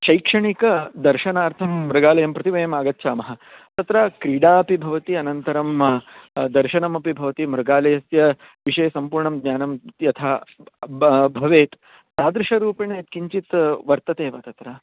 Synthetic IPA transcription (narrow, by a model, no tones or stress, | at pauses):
ʃɐjkʂɐɳikɐd̪ɐɾʃɐnaːɾt̪ʰɐmːɾɐɡaːlɐjɐmpɾɐt̪iʋɐjɐmaːɡɐtːʃʰaːmɐɦɐ̆t̪ɐt̪ɾɐkɾiːɽaːɐpibʱɐʋɐt̪iɐnɐnt̪ɐɾɐm | d̪ɐɾʃɐnɐmɐpibʱɐʋɐt̪imɾɐɡaːlɐjɐsjɐ | ʋiʂɐjɐsɐmpuːɾɳɐmɡ̪ɲaːnɐmjɐt̪ʰaː | bʱɐʋeːt̪ | t̪aːd̪ɾɪʂɐɾuːpɐɳeːt̪kiɲt͡ʃit̪ʋɐɾt̪ɐt̪eːʋɐt̪ɐt̪ɾɐ